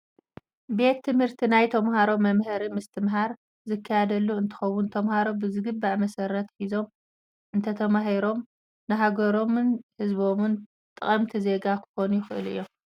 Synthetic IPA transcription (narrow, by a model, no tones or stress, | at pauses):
be̞t̪ʰːɨmhɨɾt̪ʰinajt̪ʰɐmɦaɾo̞mːɐmhɨɾimɨst̪ʰɨmɦaɾ | zɨkʰːɐjad̪ɐlːuɨnt̪ʰɨ̥xɐwːunt̪ʰɐmhaɾo̞bɨzɨɡɨbːaʕmɐsɐɾːɐt̪ħizo̞m | ʔɨnt̪ʰɐt̪ʰɐmaɦiɾo̞m | nɨɦaɡɐɾo̞mnhɨzbo̞mɨn | t̪ʼɨχʼɐmt̪ʰize̞ɡakʰɨ̥xo̞nujɪxɨʔɨ̰lɨ̰jːo̞